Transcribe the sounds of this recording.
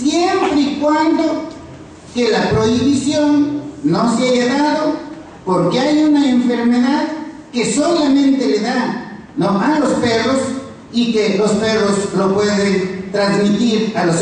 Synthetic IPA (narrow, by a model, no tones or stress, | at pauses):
sjempɾeikwand̪o | kelapɾoiβisjonːoseaʝaðaðo | poɾkeajunaeɱfeɾmeðað | kesolamẽnt̪eleða | noʔalosperos | ikelosperoslopweðent̪ɾanzmit̪iɾalos